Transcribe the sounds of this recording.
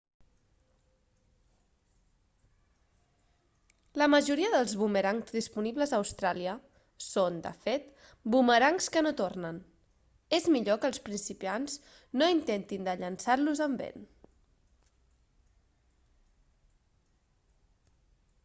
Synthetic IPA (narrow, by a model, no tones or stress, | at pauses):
ləməʒuɾiəðəlˠzβuməɾaŋzðispuniβləzðəwst̪ɾaliə | sond̪ə̰fet̪ | buməɾaŋskənot̪ornən | ezmiʎokəlˠspɾinsipianz | noint̪ent̪ind̪əʎənsaɾluzəmbḛn